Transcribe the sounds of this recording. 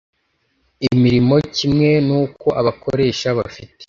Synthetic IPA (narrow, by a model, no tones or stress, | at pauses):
imiɾimo̞cimŋe̞nuːko̞ʔaβakʰoɾe̞ːʃaβafite̥